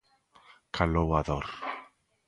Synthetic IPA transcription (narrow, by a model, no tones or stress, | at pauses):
kʰalɔwaðɔr